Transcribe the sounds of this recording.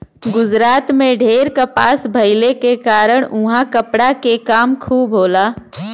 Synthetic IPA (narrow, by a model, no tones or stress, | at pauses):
ɡʊd͡ʒɾaːt̪mẽɖʱeːɾkəpaːsbʱɐɪlekekaːɾəɽ̃ʊ̃ɦãkəpɽakekaːmkʰuːbɦoːlaː